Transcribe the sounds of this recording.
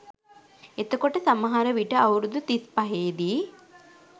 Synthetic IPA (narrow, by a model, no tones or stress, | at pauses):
et̪əkoʈəsaməɦaɾəʋiʈəawɾud̪ut̪ispaɦeːd̪iː